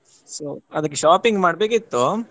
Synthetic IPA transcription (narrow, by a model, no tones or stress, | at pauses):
soːɐd̪ɐk̬ːeʃaːpiŋɡmaːɖbe̞ːkit̪ːu